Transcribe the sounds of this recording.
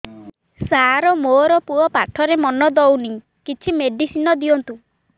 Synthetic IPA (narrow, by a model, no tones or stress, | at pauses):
saɾɔmoːɾɔpuɔpaʈʰɔɾemɔnɔd̪ɔwni | kit͡ʃʰimeɖisinɔd̪iɔnt̪u